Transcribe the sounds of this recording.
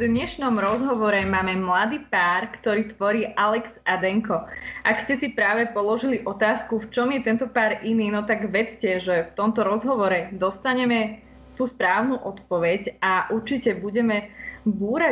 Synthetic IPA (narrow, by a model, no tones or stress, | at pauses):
d̪ɲɛʃnɔmɾɔzɦɔʋɔɾɛmaːmɛmlad̪iːpaːɾkt̪ɔɾiːt̪ʋɔɾiːʔalɛkz̥ad̪ɛŋkɔʔakscɛsipɾaːʋɛpɔlɔʒiliʔɔt̪aːskuft͡ʃɔmjɛt̪ɛnt̪ɔpaːɾʔiniːnɔt̪aɡʋɛt͡scɛʒɛft̪ɔmt̪ɔɾɔzɦɔʋɔɾɛd̪ɔst̪aɲɛmɛ | t̪uːspɾaːʊnuʔɔt̪pɔʋɛcaʔuɾt͡ʃicɛbuɟɛmɛbuːɾa